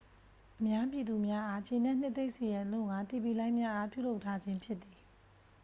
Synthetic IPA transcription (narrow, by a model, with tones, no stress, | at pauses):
ʔəmja˦pji˨d̪u˨mja˦ʔa˦t͡ɕẽ˨nɛ̃˦˨n̥ɪ˦t̪e˦ɪʔse˨jã˨lʊ̰̃˦˨ŋɡa˨t̪e˦˨pi˨lã˦ɪ̃mja˦ʔa˦pjṵ˦˨lo˦ʊʔtʰːa˦d͡ʑɪ̃˦mpʰjɪ˦t̪t̪ːi˨